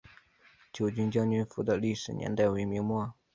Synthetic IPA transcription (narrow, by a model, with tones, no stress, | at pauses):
t͡ɕjo˨˩ʊt͡ɕy˥nt͡ɕjɑ˥ŋny˧˥nfu˧˥d̪ə˧li˥˩ʂɻ̩˨˩njɛ̰˧˥nt̪a˥˩ɪwe˧˥ɪmi˧˥ŋmwɔ˥˩